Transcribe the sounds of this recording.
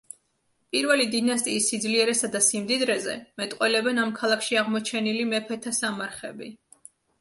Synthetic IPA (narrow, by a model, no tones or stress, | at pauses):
pʼiɾvɛlid̪inas̬t̪ʼiːsːid̪zliɛɾɛsad̪asimd̪id̪ɾɛzɛ̰mɛt̪ʼqʼwɛlɛbɛnamkʰalˠakʰʃiaʁmɔt͡ʃʰɛnilimɛpʰɛt̪ʰasamaɾχɛ̰bḭ